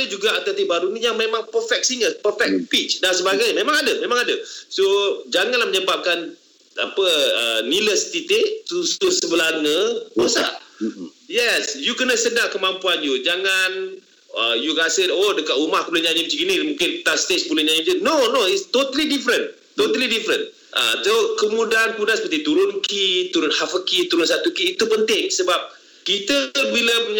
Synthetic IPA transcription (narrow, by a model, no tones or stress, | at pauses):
əd͡ʒuɡaat̪at̪iʔbaɾunijaŋmemãŋpəfɛk̚siŋəpəfɛk̚pit͡ʃdansəbaɡajmẽmãŋadəmẽmãŋadəsod͡ʒaŋanlahməɲəbap̚kan | a̰pəəniləst̪it̪ɪʔt̪ususəbəlaŋə̃osa̰ʔ | jɛsjukənəsədakəmãmpuanjud͡ʒaŋan | əjukasɪodəkat̪umahkəbuluɲaɲə̃pt͡ʃikinimũkɪnt̪ast̪esbuləɲaɲĩptinonoist̪ot̪əlidifɾən | t̪ot̪əlidifɾən | ʔə̰sokəmũdaankəmudansəpət̪it̪uɾʊnkit̪uɾʊnhafəkit̪uɾʊnsat̪ukiːt̪upənt̪ɪŋsəbap̚ | kit̪əbiləpuɲ